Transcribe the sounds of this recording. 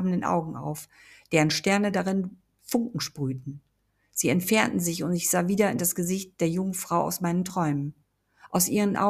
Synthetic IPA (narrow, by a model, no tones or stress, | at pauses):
bn̩dənʔa̰ʊɡŋ̩ʔa̰ʊf | d̥eːʁənʃtɛɐnədaʁɪn | fʊŋkŋ̩ʃpʁ̥yːtn̩ | z̥iːɛntfɛɐntn̩zɪçʊntɪçz̥aːviːdɐɪndasɡ̥əzɪçt̚d̥eːɐjʊŋənfʁ̥aʊʔa̰ʊsmaɪnəntʁ̥ɔʏmən | ʔaʊsʔiːʁ̞ənʔa̰